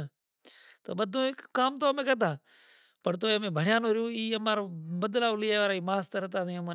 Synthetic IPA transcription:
t̪o̰ːɓəd̪ʱõːkaːmt̪oːmẽːkəd̪ʱaː | pəɾt̪oːemẽːbʱəɳ̤ɪjaːnoːɾɪjõːiːəmaːɾbəd̪laːʊlɪjaːʋːɾaːiːmaːst̪əɾət̪aːd̪imː

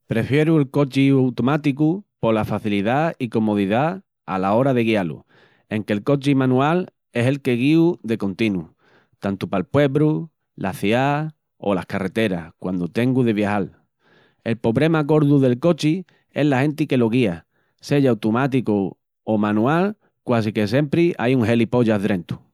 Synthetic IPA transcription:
pɾe̞fje̞ɾuelko̞t͡ʃiawt̪omat̪ikupo̞lafaθiliðaiko̞mo̞ð̞iða | a̰lao̞ɾaðe̞ɣialṵ | ẽ̞ŋke̞lko̞t͡ʃimãnũal | e̞se̞lke̞ɣiuðe̞ko̞nt̪inu | t̪ant̪upalpwe̞βɾu | lʔaθja | o̞̰lahkare̞t̪e̞ɾakwand̪ot̪e̞ŋɡuðe̞βjahal | e̞lpo̞βɾe̞mako̞ɾðuðe̞lko̞t͡ʃi | e̞ɦlahẽ̞nt̪ike̞lo̞ɣ̞ia | se̞ʝawt̪umat̪̬iko | omãnũal | kwas̬ike̞s̬jempɾiʔajuŋɦe̞lipo̞ʝaðɾẽ̞nt̪u̥

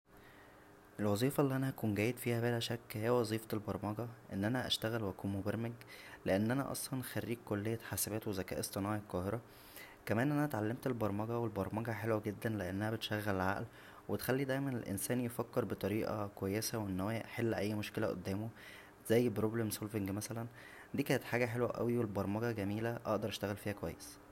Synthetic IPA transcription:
ʔelwɑzˤiːfɑlːiʔænæʔækuːnɡæːjed̪fiːhæbeːlæʃækːhejæwɑzˤiːfɑtelbɑɾˤmɑɡæʔenːʔænæʔæ̰ʃt̪æɣælwʔækuːmobɑɾmæɡleʔenːʔænæ̰ʔɑ̰sˤlɑnxærːiːkːolːejːæħasæbæːt̪wezækæ̰ʔesˤt̪ˤenɑːʕelqɑːheɾˤɑ | kæmæːnʔænæt̪ʕalːemt̪elbɑɾˤmɑɡæwelbɑɾˤmɑɡæħelwæɡed̪ːænleʔenːæhæbet̪ʃæɣːællʕa̰ʔl | wet̪xælːid̪æjmænelʔḛnsæːnjefækːeɾbet̪ˤɑɾiːʔɑ̰kowæjːesæwenːhoææʔħelːʔæjːmoʃkelæʔo̰d̪ːæːmo | z̥æjːbɾoblemsolfeŋɡmæsælæn | d̪iːkæːnet̪ħaːɡæħelwæʔæ̰wiwelbɑɾˤmɑɡæɡæmiːlæʔɑ̰ʔd̪ɑɾˤʔæʃt̪æɣælfiːhækowæjːes

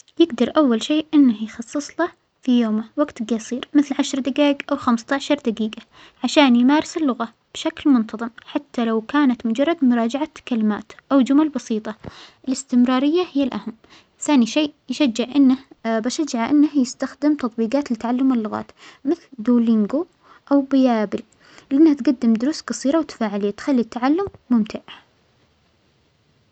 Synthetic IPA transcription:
jɪɡd̪ɑɾˤʔawːalʃeːʔʔɪnːahjxɑsˤːɨsˤlɑ | fijoːmawaɡt̪ɡɑsˤiːɾmɪθlʕaʃɾˤd̪aɡaːɪɡʔawxamst̪aʕʃɑɾˤd̪aɡiːɡa | ʕaʃaːnjmaːɾɪsɪlːʊɣa | b̥ʃaklmʊnt̪ɑðˤɨmħat̪ːalawkaːnat̪mʊd͡ʒɑrˤːɑd̪mʊɾˤɑːd͡ʒaʕakalɪma̰ːt̪ʔawd͡ʒʊmalbɑsiːt̪ˤɑʔɪlɪst̪ɪmɾˤɑːɾɪjːahɪjːalʔaham | θaːniʃeːʔjʃad͡ʒːɪʕʔɪnːahbaʃad͡ʒːaʕaʔɪnːahjɪst̪axd̪ɪmt̪ɑt̪ˤbiːɡɑːt̪lɪt̪aʕalːʊmɪlːʊɣa̰ːt̪mɪθld̪uːlɪŋɡu | ʔawbɪjaːbɪl | lɪʔɪnːahat̪ɡad̪ːɪmd̪ʊɾuːsqɑsˤiːɾɑwt̪ḁfaːʕɪlɪjːat̪xalːit̪ːaʕalːʊmːʊmt̪ʰaʕ

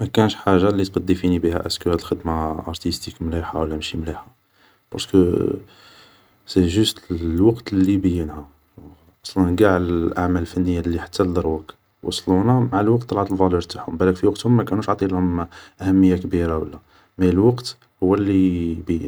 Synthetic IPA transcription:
mækænəʃħaʒːalit̪qɑd̪ˤːifinibihæ̰ʔæskəhæt̪əlxəd̪maʔɑɾˤt̪ist̪ikmliħa̰wəlːæmʃimliħa | b̥ɑ̰ɾˤskə | siʒʊst̪lwɑqt̪lːibəjːənhæ | ʔɑsˤlənɡaʕlʔaʕmæləlfænːəjːalːiħḁt̪ʰːæld̪ˤɑɾˤwək | wɑ̰sˤlunæmaʕalwɑq̚t̪ˤːɑlʕɑt̪əlvɑluɾt̪aħhʊmbælːækfiwɑqt̪hʊmːækænuʃʕt̪ˤilhʊmʔæhæmːəjːakbiɾawəlːæ | mæjəlwɑqt̪ | hʊwːælːibəjə̰n

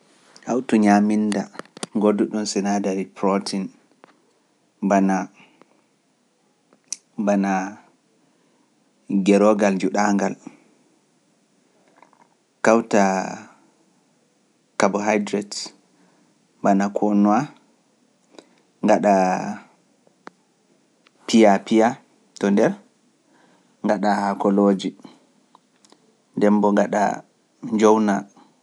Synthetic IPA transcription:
hawtuɲaminda̰ŋɡoduɗunsinadaɾipɾotʰin | bana | bana | ɡɛɾɔɡald͡ʒuɗaŋɡal | kawta | kabɔɦajdɾɛt | banakʰɔnua | ŋɡaɗa | pijapija | tɔndɛɾ | ŋɡaɗahakɔlod͡ʒi | ndɛmbɔŋɡaɗa̰ | ɲd͡ʒɔwna

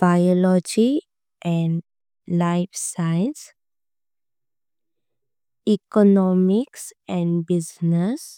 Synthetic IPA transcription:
b̥aɪɔlɔd͡ʒi | ʔɛ̃ɳɖ | laɪfsajə̃ns | ikɔnɔmiksɛ̃ɳɖbiznəs

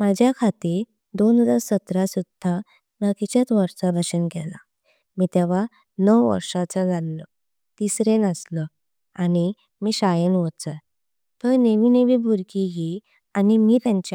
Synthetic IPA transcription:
məd͡ʑʱjakʰat̪iːɾ | d̪ond̪asːət̪ɾasud̪ʱa | məkit͡ɕat͡s̪ʋəɾsabʱəɕənkɛla̰ | miːt̪ɛʋ̤a | nəwʋə̰ɾʂat͡sad͡zʱalːə | t̪isɾenəslə | ani | miːɕajənʋət͡sə | t̪əɾneʋineʋibʱuɾkiɡi | animiːt̪jãɲt͡ɕ

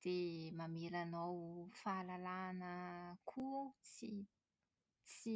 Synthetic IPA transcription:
d̪̥emamiɾanowfalalanəkʰut͡si | t͡si

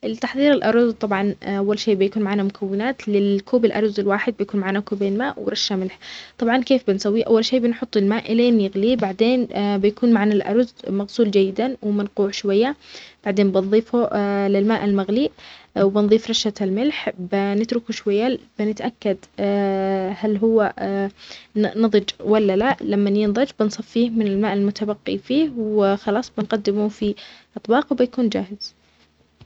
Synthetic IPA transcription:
ʔɪlt̪aħðˤiːɾɪlʔɑɾˤzt̪ˤɑbʕɑnʔawːalʃeːʔbɪjakuːnmaʕaːnamʊkʰawːɪnaːt̪lɪlkʰuːbɪlʔɑɾˤzɪlwaːħɪd̪̚bɪjakuːnmaʕaːnakuːbeːnmaːʔwɾˤɑʃːamɪlħt̪ˤɑbʕɑnkeːfbɪnsawːiʔa̰wːalʃeːbɪnħʊt̪ˤːɪlmaːʔɪlenjɪɣliːbaʕd̪eːnbɪjakuːnmaʕanalʔɑ̰ɾˤzmaɣsuːld͡ʒajːɪd̪awɪmɪnquːʕʃwajːab̥aʕd̪eːnbɪnðˤiːfulɪlmaːʔalmaɣliːʔwbɪnðˤiːfɾˤɑʃalmɪlħbɪnɪt̪ɾʊkuʃwajːabɪnɪt̪ʔakːad̪ | halɦʊwːa | nɑðˤɨd͡ʒwalːalaʔlamːanjɪnðˤɑd͡ʒbɪnsˤɑfːiːhmɪnɪlmaːʔalmʊt̪abaqːḭfiːhwɪxɑlɑːsˤbɪnqɑd̪ːɪmufiʔɑt̪ˤbɑːqwbɪjakuːnd͡ʒaːhɪz̥

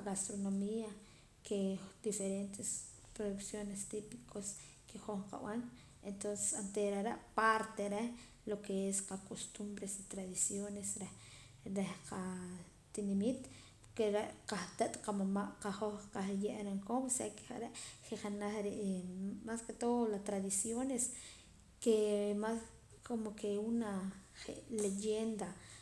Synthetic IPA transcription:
aɣast̪ɾonomia | kʰed̪̥ifeɾent̪es | pɾoðuksjonest̪ipi̥kʰos | kexoχqa̰w̰an | ent̪onse̥sant̪eɾaɾaʔpaɾt̪eɾe | lokeesqakost̪umbɾesit̪ɾaðisjonesɾe | ɾehqa | t̪inemit̪ | keɾeʔqaht̪aʔt̪qamamaʔqaχoχqaχjeʔɾeŋkomseke̥χaɾeʔχeχanaχɾeʔmasket̪olat̪ɾaðisjones | kemas | kʰomokeunaχḛʔlejend̪a

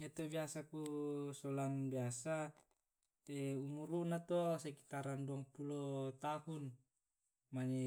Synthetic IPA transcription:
jat̪ɔbiasakusɔlanbiasa | ɛumuɾunat̪ɔsɛki̥t̪aɾanduaŋpulɔt̪ahun | maɲɛ

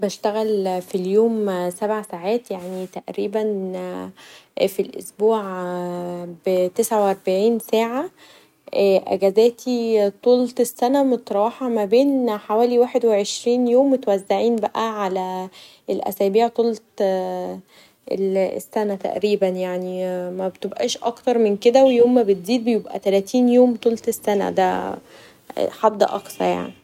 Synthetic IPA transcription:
bæʃt̪æɣælfiljoːmsæbʕasaʕaːt̪jaʕnit̪æʔɾiːbæn | filʔo̰sbuːʕ | bt̪esʕawʔɑɾˤbaʕiːnsæːʕa | ʔːʔæ̰ɡæzæːt̪ʰit̪ˤuːlt̪esːænæmot̪ɾˤɑːħɑmæbeːnħawæːliwæːħed̪weʕeʃɾiːnjoːmːet̪wæzːaʕiːnbæʔæʕalæ | elʔæ̰sæːbiːʕt̪ˤuːlt̪ | ḛlḛsːænæt̪æ̰ʔɾiːbænjaʕnimæbet̪ebʔæ̰ːʃʔɑkt̪ɑɾˤmenked̪æwejoːmːæbet̪ziːd̪̚bejebʔæ̰t̪ælæːt̪ʰiːnjoːmt̪ˤuːlt̪esːænæ̰d̪æ̰ | ħɑd̪ːʔɑ̰ksˤɑ̰ɾˤja̰ʕni

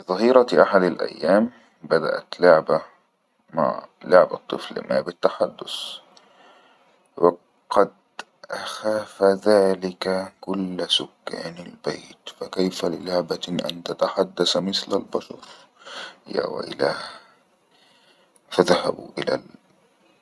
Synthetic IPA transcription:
bɪðˤɑɦiːɾɑʔaħad̪alʔa̰jːaːm | bad̪a̰ʔa̰t̪lʊʕba | ma̰ʕlʊʕbat̪ˤːɨflma̰ːbɪt̪ːaħad̪ːʊs | wɪ | qɑd̪̚ | ʔaxaːfaðaːlɪkakʊlːsʊkːa̰ːnalbḛːt̪fakajfalɪlʊʕbaʔa̰nt̪at̪aħad̪ːasmɪθlalbɑʃɑ̰ɾˤ | ja̰wa̰ʔɪ̰laː | faðahabṵʔɪla̰l

